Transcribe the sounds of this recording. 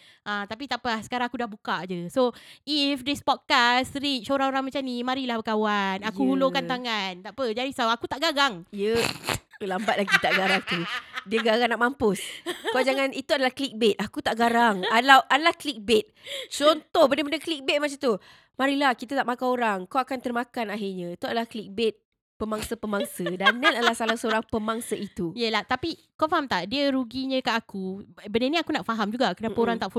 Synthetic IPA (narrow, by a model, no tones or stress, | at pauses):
ʔãt̪apit̪aʔpahsə̥kaɾaŋakudahbukad͡ʒəsoifdispɔt̪̚kasəɾit͡ʃoɾaŋoɾaŋmat͡ʃamnimaɾilahpəkawanakuhulokant̪aŋant̪aʔpəd͡ʒadisawakut̪aʔɡaɡaŋjəklambat̪̚laɡit̪aʔɡaɾaŋt̪udiəɡaɡaŋnaʔmampʊskad͡ʒaŋanit̪uadalahklik̚bet̪̚akut̪aʔɡaɾaŋalawʔadalahklik̚bet̪̚t͡ʃɔnt̪ɔhbənəbəndəklik̚bet̪̚mat͡ʃat̪u | maɾilahkit̪at̪aʔmakanoɾaŋkawakant̪ərmakanaɦirɲãit̪uadalahkəlik̚bɪt̪̚ | pəmaŋsəpəmaŋsədananadlahsalasəoɾaŋpəmaŋsəʔit̪ujəlaht̪api | kawfaɦamt̪aʔdiəɾuɡiɲə̃kaʔakubənənĩakunaʔfaɦamd͡ʒuɡakunapaoɾaŋt̪aʔf